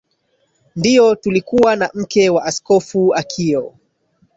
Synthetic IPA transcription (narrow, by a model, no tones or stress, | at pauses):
ndiɔtulikuwanam̩kɛwaʔaskɔfuakʰiɔ